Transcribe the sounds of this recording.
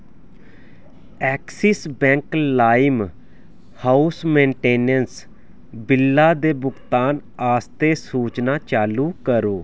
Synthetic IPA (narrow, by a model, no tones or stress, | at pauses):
ɛːksɪsbɛ̃ːŋklaːɪm | haːusmẽːɳʈeːnəns | bɪlːaːd̪eːbʊɡt̪aːn | aːst̪eːsuːt͡ʃnaːt͡ʃaːluːkəɾoː